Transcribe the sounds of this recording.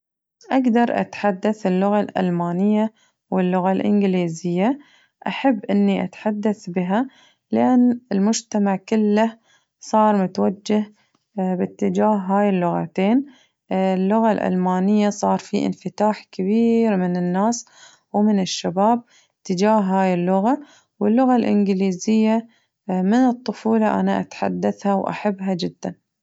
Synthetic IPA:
ʔaɡd̪ɑɾˤʔa̰t̪ħad̪ːaθɪlːʊɣalʔa̰lmaːnɪjːa | wɪlːʊɣalʔɪ̰nɡliːzɪjːa | ʔaħabːʔɪnːiʔat̪ħad̪ːaθbɪɦa | lʔanːɪlmʊd͡ʒt̪amaʕkʊlːa | sˤɑːɾˤmʊt̪wad͡ʒːah | bɪt̪ːɪd͡ʒaːɦɦaːjɪlːʊɣa̰t̪eːn | lːʊɣalʔa̰lmaːnɪjːasˤɑːɾˤfiʔɪ̰nfɪt̪aːħkaβiːɾmɪnɪnːaːs | wmɪnɪʃːabaːb̚ | t̪ːɪd͡ʒaːɦɦaːjɪlːʊɣa | wɪlːʊɣalʔɪ̰nɡliːzɪjːa | mɪnɨt̪ˤːʊfuːlɑʔa̰naʔa̰t̪ħa̰d̪ːaθhawʔa̰ħabːɦad͡ʒɪd̪ːan

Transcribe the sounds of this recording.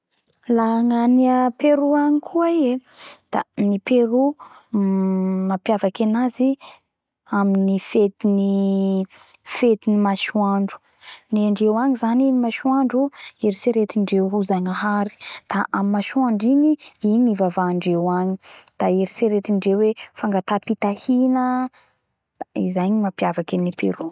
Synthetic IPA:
laŋaniapeɾuaɲikʰuaie | d̪̥a̰nipeɾu | mapjavakanazi | aminifet̪ini | fet̪inimaʃuaɳɖ͡ʐu̥ | neaɳɖ͡ʐewaŋizanimaʃuaɳɖ͡ʐueɾiseɾet̪iɳɖ͡ʐewɦuzaŋaɦaɾi̥d̪̥aʔamimaʃaɳɖ͡ʐiniinivavaːɳɖ͡ʐewaɲi̥d̪̥aeɾiseɾet̪iɳɖ͡ʐewefaŋɡat̪apit̪ahinə | izajɲimapjavakinipeɾu

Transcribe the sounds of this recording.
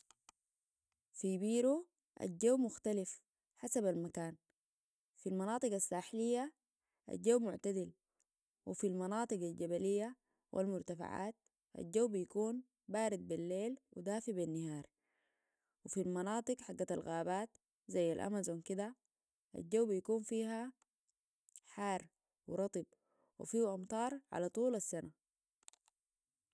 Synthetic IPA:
fibiːɾo | ʔa̰d͡ʒːawːmʊxt̪alif | ħasabalmakaːn | filmɑnɑːt̪ˤɨɡasːaːħlijːa | ʔa̰d͡ʒːawmʊʕt̪ad̪il | wifilmɑnɑːt̪ˤɨɡalɟabalijːa | wʔḭlmʊɾt̪afa̰ʕa̰ːt̪̚ | ʔa̰d͡ʒːawːbijkuːn | baːɾid̪̚bilːeːlwḭd̪aːfibinːahaːɾˤ | wifilmɑnɑːt̪ˤɨɡħaɡːat̪alɣaːbaːt̪ | zajːa̰lʔa̰mazonkid̪a | ʔa̰ld͡ʒːawːbijakuːnfiːɦa | ħaːɾˤ | wiɾˤɑt̪ˤɨb̚ | wḭfiːʔɑmt̪ˤɑːɾˤʕa̰lat̪ˤuːlasːana

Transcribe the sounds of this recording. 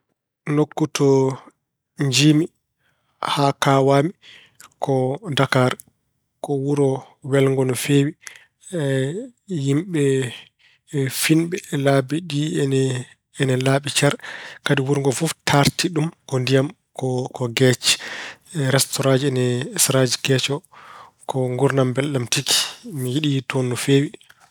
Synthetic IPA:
nokːutʰɔ | ɲd͡ʒimi | hakawami | kʰɔdakaɾ | kɔwuɾɔ | wɛlŋɡɔnɔfeːwi | jimɓɛ | finɓɛlaːbiɗinɛ | ɛnɛlaːɓit͡ʃaɾkadiwuɾŋɡɔfuftʰaɾtiɗumkɔndijam | kɔkɔɡɛt͡ʃɛ̥ | ɾɛstɔɾad͡ʒiɛnɛsɾad͡ʒikɛt͡ʃɔ | kɔŋɡuɾnambɛlɗamtiki̥mijiɗitʰonːufeːwi

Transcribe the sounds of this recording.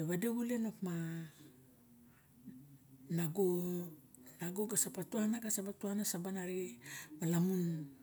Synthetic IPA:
eβadeβulenopma | naɡo | naɡoɡasapatuanaɡasapatuanasabanaɾimalamun

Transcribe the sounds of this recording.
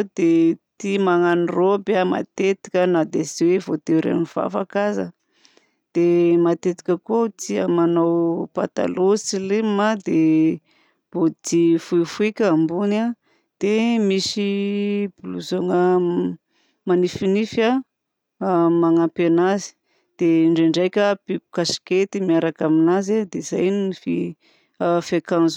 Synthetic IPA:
d̪et̪imaŋanirobama̰t̪et̪i̥kʲənad̪ezewevot̪eɾḛniv̥a̰fakazə | d̪̥emat̪et̪i̥kʲəkout̪ia̰manawpa̰t̪a̰losilemad̪e | b̥ot̪ifuifuikʲambuna | d̪̥emisibuluzoŋə | manifinifa | maŋapenazi̥ | d̪̥eɳɖ͡ʐeɳɖ͡ʐajkʲəpipu̥kasi̥ket̪imiaɾakaminazed̪ezajnunifi | afekanzu

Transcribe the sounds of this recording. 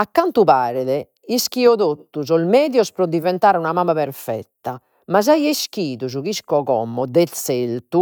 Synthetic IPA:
akːant̪upaːɾɛðɛ | iskiɔðot̪ːuzɔlmɛːðjɔspɾɔd̪ivɛnt̪aːɾunamaːmapɛɾfɛ̰t̪ːa | maz̬ajesk̟iːðuzuɣiskɔɣɔ̰mːɔd̪ɛt̪selt̪u

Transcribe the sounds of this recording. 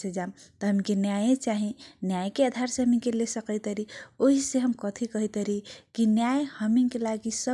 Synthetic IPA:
sed͡ʒamt̪əɦəmikenjajẽt͡ʃaɦĩnjajkead̪ʱaɾseɦəmiŋkelesəkəjt̪əɾioɦiseɦəmkət̪ʰikəɦit̪əɾikinjajhəmiŋkelaɡisə

